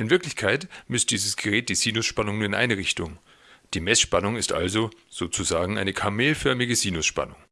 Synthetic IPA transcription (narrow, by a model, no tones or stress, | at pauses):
ʔɪnvɪɐklɪçkʰaɪtmʏst̚d̥iːzəsɡ̥əʁɛːt̚d̥iːz̥iːnʊsʃpanʊŋnuːɐɪnʔa̰ɪnəʁ̞ɪçtʊŋ | d̥iːmɛsʃpanʊŋɪstʔa̰lzoz̥oːt͡suzaːɡŋ̩ʔaɪnəkʰameːlfœɐmɪɡəziːnʊsʃpa̰nʊŋ